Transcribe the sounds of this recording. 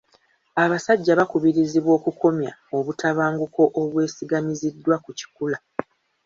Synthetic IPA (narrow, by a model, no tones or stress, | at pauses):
aβasaɟːaβakuβiɾiziβwo̞ːkuko̞mjao̞βutaβaːŋɡuko̞ʔoβwe̞ːsiɡamizidːwakuci̥kula